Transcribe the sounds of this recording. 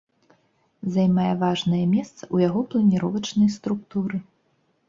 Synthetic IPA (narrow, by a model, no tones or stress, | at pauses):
zɐjmajɛvaʐnɐjɐmʲɛst̪sɐ̥ʔujaɣɔplˠɐnʲiɾɔvɐt͡ʂnɐjst̪ɾuk̚t̪uɾɨ